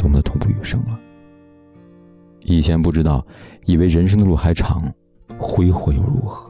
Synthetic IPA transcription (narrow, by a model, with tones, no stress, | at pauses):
ŋm˧˥˩d̪ə˧t̪ʰʊ˧˥ŋpu˥˩y˨˩ʂɤ̰˥ŋbə˧˩ | i˨˩t͡ɕʰjɛ˧˥npu˥˩ʈ͡ʂɻ̩˥t̪ɑ˥˩ʊi˥˩we˧˥ɪɻə˧˥nʂ̬ɤ˥ŋd̪ə˧lu˥˩xa˧˥ɪʈ͡ʂʰɑ˧˥ŋ | xwe˥ɪxwe˧˥ɪjo̰˨˧˩ʊɻṵ˥˩xɤ̥˧˦